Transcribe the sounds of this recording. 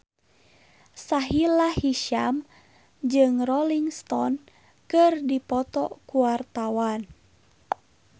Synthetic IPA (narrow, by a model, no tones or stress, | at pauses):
saɦilahiʃam | d͡ʒɨŋrɔliŋst̪ɔn | kɨrdipɔt̪ɔkuwart̪awan